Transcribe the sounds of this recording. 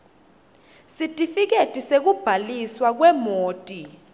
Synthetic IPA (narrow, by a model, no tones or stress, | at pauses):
sitʼifik̬etʼisek̬ub̥ʱaliswak̬wɛmoːtʼi